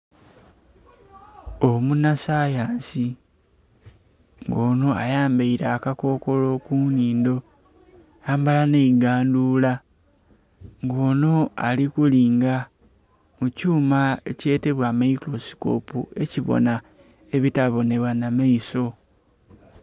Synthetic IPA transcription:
omunasaːjaːnsi | ŋɡo̞ːno̞a̰jaːmbaiɾaːkako̞ːko̞lo̞kuniːndo̞ | jaːmbalaneiɡaːnduːla | ŋɡo̞ːno̞alikuliːŋɡa | mucuːmae̞̰ce̞ːte̞βwamaiklo̞si̥ko̞̰pue̞ciβo̰na | e̞βitaβo̞ne̞βwanamaiso̞

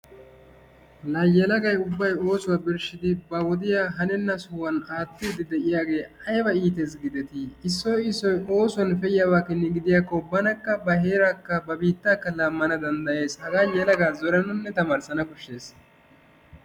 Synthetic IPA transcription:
lɐjɛlɐɡɐjʊbːɐjo̞ːsʊwaːbɪɾʃɪd̪ɪbɐwɔd̪ɪjaːɦɐnɛnːɐsʊwɐnaːt̪ːɪd̪ɪd̪ɛʔɪjaːɡe̞ːɐjbɐiːt̪esɡɪd̪ɛt̪ɪːsːɔːɪsːɔjo̞ːsʊwɐnfɛjɪjaːwaːkːɛnːɪɡɪd̪ɪjaːkːɔbɐnɐkːɐbɐheːɾakːɐbɐbiːt̪ːaːkːɐlɐmːɐnɐd̪ɐnd̪ɐjeːshɐɡaːjɛlɐɡaːzɔɾɛnʊnːɛt̪ɐmaːɾsɐnɐkʊʃːe̞ːs

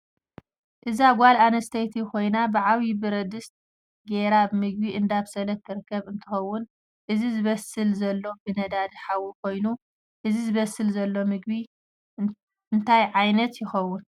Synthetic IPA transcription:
ʔɨzaɡʷalanɐst̪ʰɐjt̪ʰikʰo̞jnabɨʕaβibɨɾɐd̪ɨst̪̚ | ɡeɾabmɨɡ̚biʔɨnd̪aβsɐlɐfk̪ʰːɨɾɨkʰːɐβɨnt̪ʰɨxɐwːʊn | ʔɨzizɨβɐsɨlzɐlːo̞bɨnɐd̪ad̪ɨħawikʰo̞jnu | ʔɨzizɨβɐsːɨlzɐlːo̞mɨɡ̚bi | ʔɨnt̪ʰajʕajnɐt̪jɪxɐwːʊn

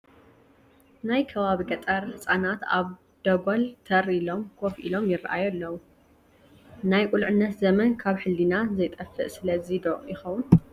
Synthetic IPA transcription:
najkʰɐβaβiɡɐt̪ʼɐɾhɨt͡sʼanat̪a̰β | d̪̥ɐɡolt̪ʰɐɾilo̞mkʰofʔḭlo̞mjɪrːɨʔajɛlːɐwu | najkʼulʕɨnːɐt̪zɐmɐnkʰaβħɨlːinazɐjt̪ʼɐfːɨ̰ʔsɨlɐzid̪oʔjɪxɐwʊn

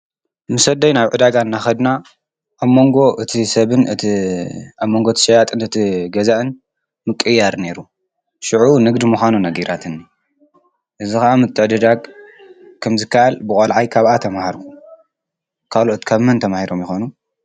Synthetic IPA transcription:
mɨsɐd̪ɐjnaβʕɨd̪aɡaɨnːaxɐd̪na | ʔːβmoŋɡo̞ʔɨt̪ʰisɐβɨnɨ | aβmːo̞ŋɡo̞ɨt̪ʰiʃɐjat̪ʼɨnɨt̪ʰiɡɐzaʔɨn | mɨkʼːɨjːaɾne̞ɾu | ʃɨʕunɨɡd̪imuxʷanunɐɡiɾat̪ʰɨnːi | ʔɨzixɐʔamɨt̪ʰːɨʕd̪ɐd̪aɡ | kʰɐmzɨkːaʔalbɨkʼɐlʕajkʰaβat̪ʰɐmahaɾkʰu | kʰalo̞ʔt̪kʰaβmɐnt̪ʰɐmahiɾo̞mjɪxonu

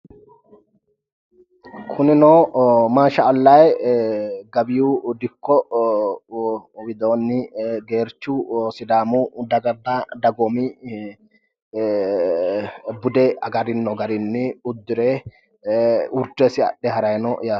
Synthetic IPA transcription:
kʰʊnɪnoːmaːʃɐːlːɐj | ɡɐbɪjuːd̪ɪkːɔ | wɪd̪o̞ːnːɪɡeːɾt͡ʃːusɪd̪aːmud̪ɐɡɐb̪ːad̪ɐɡɔmɪ | bʊd̪ɛɐɡɐɾɪnːɔɡɐɾɪnːɪʊd̪ːɪɾeː | ʊɾt̪ːesɪɐ̰ɗɛɦɐɾɐjnɔjaː

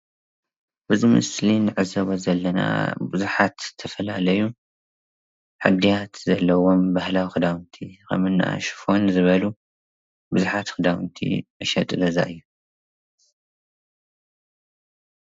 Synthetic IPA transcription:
b̥ɨzimɨ̰slinɨʕɨzɐβozɐlːɐna̰bɨzuħat̪tʰːɐfɐlalɐju | ħɨd̪ijat̪zɐlːɐwo̞mbahlawixɨd̪awɨnt̪ʰikɐ̰mɨnːa̰ʃɨ̥fo̞nzɨβɐlu | bɨzuħat̪xɨd̪awnt̪ʰḭʔɨʃɐt̪ʼɨlɐza̰ɨjːu

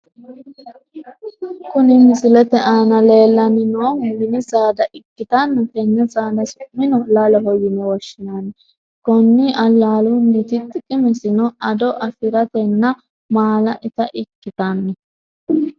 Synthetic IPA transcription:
kʊnɪmɪsɪlɛt̪ɛʔaːnɐle̞ːlːɐnɪnoːmɪnɪzʼaːd̪ɐʔɪkːɪt̪anːɐkɛnːɛzʼaːd̪ɐsʊmːɪnɔlaːlɔɦɔjːɪnɛwɔʃːɪnaːnːɛ | kɔnːɪʔɐlːaːlunːɪt̪ɪt̪ːɪkʼɪmɛsɪnɔɐd̪ɔʔɐfɪɾɐt̪ɛnːɐ | maːlɐʔɪt̪ɐʔɪkːɪt̪anːɛ

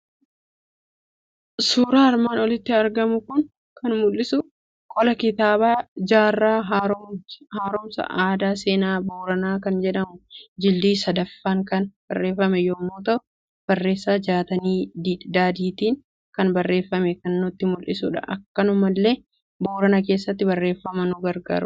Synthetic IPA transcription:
suːɾaːɪɾmaːnɔlɪt̪ːɪɐɾɡɐmʊkʊn | kʰɐnmʊlːɪsʊ | kʼɔlɐkɪt̪aːbaːd͡ʒaːrːaːɦaːhaːɾɔmsɐ̰ʔaːd̪aːse̞ːnaːboːɾɐnaːkɐnd͡ʒɛᶑɐmʊd͡ʒɪld̪iːsɐd̪ɐfːaːŋkɐnb̥ɐrːe̞ːfːɐmɛjoːmːoːt̪ɐʔʊ | b̥ɐrːe̞ːsːaːd͡ʒaːt̪ɐniːd̪id̪aːd̪iːt̪iːn | kɐnbɐrːe̞ːfːɐmɛkɐnːʊt̪ːɪmʊlʔɪsṵːᶑɐ̰ʔɐkːɐnʊmɐlːeː | boːɾɐnɐk̬e̞ːsːɐt̪ːɪbɐrːe̞ːfːɐmɐnʊɡɐɾɡa̰ːɾʊ

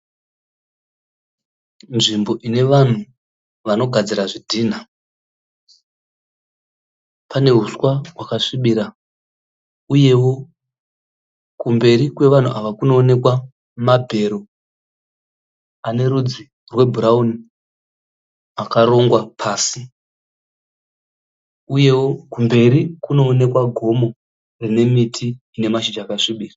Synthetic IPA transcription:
nʐimbo̞ʔine̞ʋan̤u | ʋano̞ɡʱad͡ziɾaʐidʱiːn̤a | pane̞ɦuswaɦwakaʂiɓiɾa | uje̞wo̞ | kumbe̞ɾikwe̞ʋan̤ṵʔaʋakuno̞ːne̞kwa | mabʱe̞ɾo̞ | ane̞ɾud͡zi | rwe̞bʱuɾauni | akaɾo̞ŋɡwapʰaːsi | uje̞wokumbe̞ɾikuno̞ːne̞kwaɡʱo̞mo̞ | rine̞mitʰiː | ne̞maʃid͡ʒaːkaʂiɓiːra

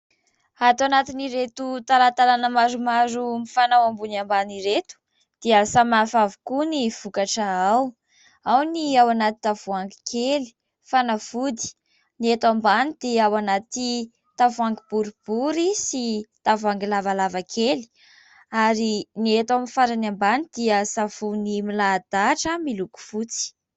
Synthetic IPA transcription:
at̪anat̪iniɾet̪ut̪alat̪alanəmaɾumaɾumifanawambunambaniɾet̪u̥ | d̪̥iəsamafavu̥kuniv̥ukaʈ͡ʂaaw | awniawanat̪i̥t̪avuaŋɡi̥kʰeli̥ | fanav̥ud̪i̥ | niet̪ambanid̪̥eawanat̪i | t̪avuaŋɡib̥uɾib̥uɾisit̪avuaŋɡilavalavakʰeli̥ | aɾiniet̪aminfaɾanambanid̪̥iəsavunimilad̪̥aʈ͡ʂəmiluku̥fut͡si̥

